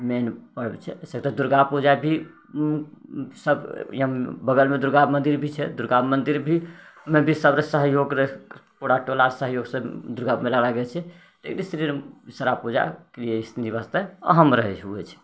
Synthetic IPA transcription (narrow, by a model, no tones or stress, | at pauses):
menpəɽbḛt͡ʃʰɛəsək̚t̪əd̪uɾɡapud͡ʒabʱi | səbjəbəɡəlmed̪uɾɡabmənd̪iɾbʱit͡ʃʰɛd̪uɾɡabmənd̪iɾbʱimebʱisəbɾesəɦjoɡɾəpoɽaʈolaɾsəɦjoɡsə̃d̪uɾɡabmelalaɡet͡ʃʰɛ | t̪ḛkʰnist̪ɾiɾsəɾapud͡ʒa̰kɾijeist̪inibast̪əə̰ɦəmɾəɦɛt͡ʃʰɦuɛt͡ʃʰɛ̥